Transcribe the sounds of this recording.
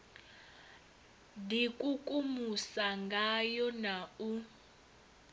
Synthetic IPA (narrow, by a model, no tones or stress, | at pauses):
dikʼukʼumusaŋɡʱajɔnau